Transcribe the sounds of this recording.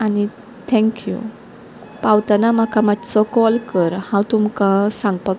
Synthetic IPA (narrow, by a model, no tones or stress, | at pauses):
ani | t̪ʰɛ̃ŋkjṵ | pawt̪anamakʰamad̪t͡sɔkɔlkəɾhãwt̪umkãsãŋɡpa